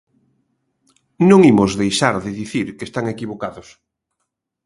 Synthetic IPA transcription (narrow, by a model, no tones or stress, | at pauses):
nõŋimʊzðejʃaɾðɪðiθiɾkest̪aŋekiβ̞okaðʊs